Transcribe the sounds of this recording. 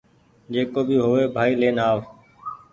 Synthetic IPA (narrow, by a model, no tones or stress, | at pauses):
d͡ʒeːkoːbʱiːɦoːʋeːbʱaːiːleːnaːʋ